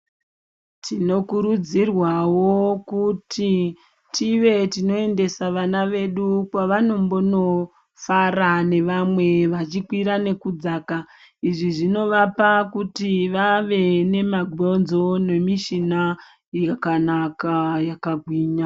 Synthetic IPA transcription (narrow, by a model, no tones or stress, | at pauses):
tino̞kuɾud͡zirwawo̞kutʰi | tʰiʋe̞tino̞e̞nde̞saʋanaʋe̞ɗukwaʋano̞mbo̞no̞ | farane̞ʋamwe̞ʋat͡ʃikwiɾane̞kud͡zaːka | iʐiʐino̞ʋapakutiʋaʋe̞ne̞maɡʱo̞nzo̞ne̞miʃina | jakanakajakaɡʱwiːɲa